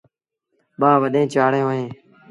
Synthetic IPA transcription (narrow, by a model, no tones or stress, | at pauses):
ɓãːʋəɗ̪ẽːt͡ʃaːɽẽːɦẽː